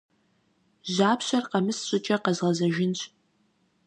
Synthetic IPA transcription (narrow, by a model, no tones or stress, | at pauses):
ʒaːpʰɕɐrqɐmɨsɕʷʼʊt͡ʃʼɐqɐzʁɐzɐʒɪnɕʷʼ